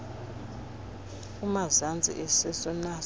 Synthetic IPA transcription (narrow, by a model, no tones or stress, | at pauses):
umazand͡zʱḭʔɛsɛsɔna